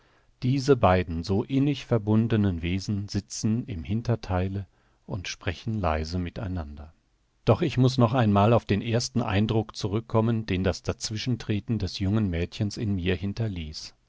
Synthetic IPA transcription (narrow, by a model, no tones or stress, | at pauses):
d̥iːzəbaɪdn̩zoːʔɪnɪçfɛɐbʊndənənveːzn̩z̥ɪt͡sn̩ɪmhɪntɐtʰaɪlə | ʔʊntʃpʁ̥ɛçn̩laɪzəmɪta̰ɪnandɐ | d̥ɔχɪçmʊsnɔχaɪnmaːlaʊfd̥eːnʔeːɐstn̩ʔa̰ɪndʁʊkt͡suʁʏkʰːɔməndeːndasd̥at͡sv̥ɪʃn̩tʁ̥eːtn̩dɛsjʊŋənmɛːtçənsɪnmiːɐhɪntʰɐliːs